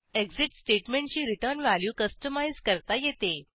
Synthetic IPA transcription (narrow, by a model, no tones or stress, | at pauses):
ekd͡ziʈsʈeʈmẽɳʈ̚t͡ɕiːɾiʈəɾnʋæljuːkəsʈəmajzkəɾt̪ajet̪e